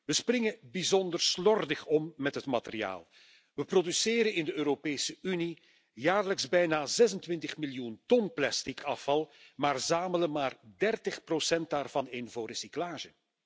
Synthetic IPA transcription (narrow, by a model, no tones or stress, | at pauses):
ʋəsprɪŋəbizɔndərslɔrdəχɔmːɛtɦətmaterija̰ːlˠ | ʋəprodysɪːɾəɪndəøːɾopeːsəyni | jaːrləkzbɛjnaːzɛzəntʋɪntəχmiljuntɔnplastɪkʰɑfɑlˠmaːrzaːmələmaːrdɛrtəχprosɛnt̚daːrvɑnenvoːresiklaːʒə